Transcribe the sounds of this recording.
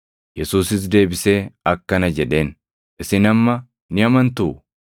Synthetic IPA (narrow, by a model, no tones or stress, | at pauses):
jɛsuːsɪs̬d̪e̞ːbɪseːɐkːɐnɐd͡ʒɛᶑe̞ːn | ʔɪsɪnɐmːɐ | nɪɐmɐnt̪uː